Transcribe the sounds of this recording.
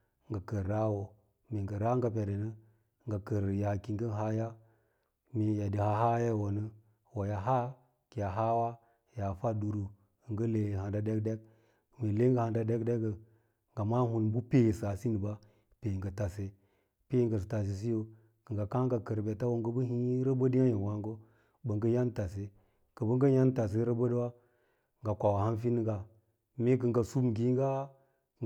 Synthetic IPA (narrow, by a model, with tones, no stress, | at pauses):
ŋɡa˨kə˨ɾɾa˦wo˨ | me˨ŋɡə˨ɾa˦ŋɡa˨p̬e˨de˨nə˦˨ | ŋɡa˨kə˨ɾja˨ki˨ŋɡə˦ɦa˦ja˦ | me˨ja˨di˨ha˦ɦa˦ja˦˨wo˨nə˦ | wa˨ja˨ɦa˦ | ki˨ja˨ɦa˦wa˦ | ja˨fa˦du˨ɾu˨ | ŋɡə˦le˨ha˨da˦de˦kde˦ɡ̚ | me˨le˦ŋ˦ɡə˦˨ha˨nda˦de˦kde˦ɡə˨ | ŋɡa˨ma˦hu˨nbu˦pe˦˨sa˨si˦ni˨ba˦ | pe˨ŋɡa˨ta˨se˨ | pe˦ŋɡə˨s̬ta˨s̬i˨s̬i˦jo˨ | kə˨ŋɡa˨ka˦ŋ˦ɡa˨kə˨ɾbe˨ta˦wo˦˨ɡə˦bə˦ɦi˦ɾə˦bə˦di˦a˦je˨wa˦ŋɡo˦ | bə˨ŋɡə˦ja˦n˦ta˨se˦ | kə˨bə˦ŋɡə˦ja˦n˦ta˨s̬e˦ɾə˦bə˦dwa˦ | ŋɡa˨kʷa˨wa˨ha˦nfi˦n˦ɡa˨˦ | me˦kə˨ŋɡa˨su˦bɡi˦ŋɡa˦˨